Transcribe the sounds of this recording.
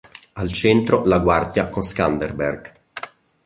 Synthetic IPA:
alt͡ʃɛnt̪ɾolaɡward̪jakonskand̪erbɛrɡ̥

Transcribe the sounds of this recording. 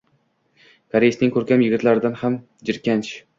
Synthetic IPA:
kʰaɾejsnɪŋkʲʰɵɾkʲamjɪɡʲɪt̪laɾɪd̪anham | d͡ʒɪɾkʲant͡ʃ

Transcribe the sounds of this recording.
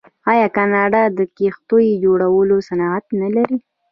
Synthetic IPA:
ɑjɑkɑnɑɖad̪əkext̪ojd͡ʒoɽawəlosanɑat̪nalaɾi

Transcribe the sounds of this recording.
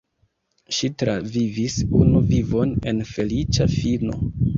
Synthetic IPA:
ʃitɾavivisunuvivo̞ne̞̰nfe̞lit͡ʃafino̞̰

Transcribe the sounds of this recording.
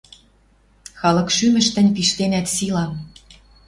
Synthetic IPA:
xɑlɤ̆kʃymə̆ʃt̪ə̆nʲpiʃt̪enæt̪silɑ

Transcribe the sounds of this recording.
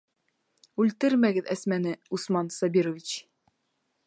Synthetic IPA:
ʉlt̪ɘɾmæɡɘðæsmænɘusmɑnsɑbʲiɾŏvʲit͡ɕ

